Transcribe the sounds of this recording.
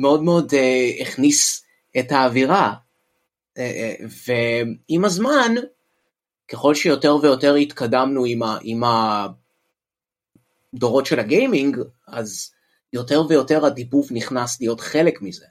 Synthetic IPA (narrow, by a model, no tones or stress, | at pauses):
meo̞dmeo̞deeχnis | etaːviʁa | eveimazman | keχo̞lʃejo̞te̞ʁve̞jo̞te̞ʁit̪kadamnuimaʔima | do̞ʁo̞tʃe̞laɡejmiŋɡ | az | jo̞te̞ʁvejo̞te̞ʁadipuvniχnaslijo̞tχe̞le̞kmize̞